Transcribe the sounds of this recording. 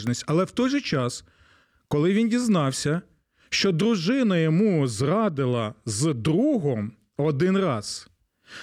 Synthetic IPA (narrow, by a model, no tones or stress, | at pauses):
nʲisʲtʲɐlˠɛwt̪ɔjʒɛt͡ʃɑs | kɔlˠɪʋʲindʲiznɑwsʲɐ | ʃt͡ʃɔd̪ɾʊʒɪnɐjɔmuzrɑd̪ɪlˠɐzd̪ɾuɦɔm | ɔd̪ɪnrɑz̥